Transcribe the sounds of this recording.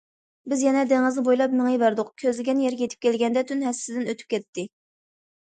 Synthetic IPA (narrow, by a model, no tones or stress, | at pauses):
bɪzjɛnɛd̪eŋɨznɪbojlˠɑpmɪŋɨjvæɾd̪ʊqkʲʰøzlɪɡʲɛnjɛɾʲjet̪ʰɪ̥p̚kʲʰɛlɡʲɛnd̪ɛt̪ʰynɦɛsɪd̪ɪnøt̪ʰy̥p̚kʲɛt̪ːɪ